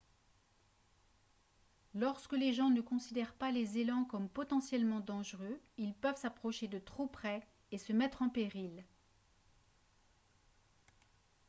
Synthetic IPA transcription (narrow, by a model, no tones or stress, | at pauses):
lɔʁskəleʒɑ̃nəkɔ̃sid̪ɛʁpalezelɑ̃kɔmpɔt̪ɑ̃sjɛlmɑ̃d̪ɑ̃ʒʁøilpœvsapχɔʃed̪ət̪χopχɛ | esəmɛt̪χɑ̃peʁil